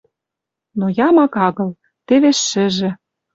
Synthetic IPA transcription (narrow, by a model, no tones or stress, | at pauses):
nojɑmɑkɑɣɤ̆l | t̪eβeʃːɘ̆ʒĕ